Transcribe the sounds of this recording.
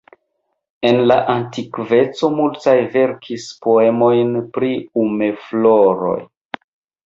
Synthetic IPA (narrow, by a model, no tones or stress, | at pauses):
e̞nlaʔantikve̞t͡so̞multajve̞ɾkʰispo̞e̞mo̞jnpɾiume̞flo̞ɾo̞̰j